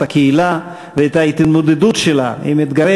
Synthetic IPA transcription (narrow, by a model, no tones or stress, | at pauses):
takeila | veet̪ait̪mod̪ed̪utʃela̰imit̪ɡae